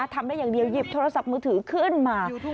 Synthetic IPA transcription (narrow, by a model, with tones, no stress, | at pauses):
t̪ʰa˧˩mɗaː˧˥˩jaː˨˩ŋɗi˨˩əwzi˨˩p̚t̪ʰoː˧˩sa˨˩p̚mɨː˧t̪ʰɨː˨˩˦kʰɨ˧˥˩ənmaː˨˩